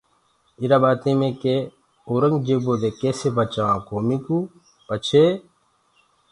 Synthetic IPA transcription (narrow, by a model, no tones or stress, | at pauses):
iɾaːbaːt̪ẽːmẽːkeː | oːɾəŋɡd͡ʒeːboːd̪eːkeːseːbət͡ʃãːãːkoːmĩːkuː | pət͡ʃʰeː